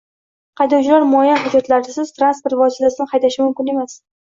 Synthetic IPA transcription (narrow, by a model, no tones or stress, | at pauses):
qʰɑjd̪ɒwt͡ʃʰɪlaɾmʊajanhʊd͡ʒɒt̪laɾd̪asɪz̥t̪ʰɾanspoɾt̪vɒsɪt̪asɪnɪqɑjd̪aʃɪmʊmkʲɪne̞mas